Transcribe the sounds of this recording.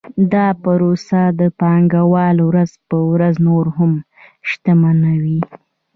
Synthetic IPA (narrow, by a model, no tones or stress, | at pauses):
d̪ɑpəɾosad̪əpɑŋɡawɑlwɾazpəwɾaznoɾhʊm | ʃt̪amanawi